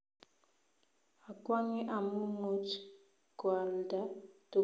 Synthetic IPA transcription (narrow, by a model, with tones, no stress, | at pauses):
a˨kwa˦ŋi˦ʔa˨mu˦mu˦t | ɡ̥wa˨lda˦tu˨